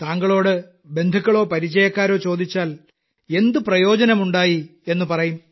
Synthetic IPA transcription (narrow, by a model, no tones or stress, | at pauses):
t̪aːŋɡɐɭo̞ːɽɨ | be̞nd̪ʱukːɐɭo̞ːpɐɾit͡ɕːɐjɐkːaːɾo̞ːt͡ɕo̞ːd̪it͡ɕːaːl | e̞nd̪uprɐjo̞ːd͡ʑɐnɐmuɳɖaːjie̞nːupɐrɐjum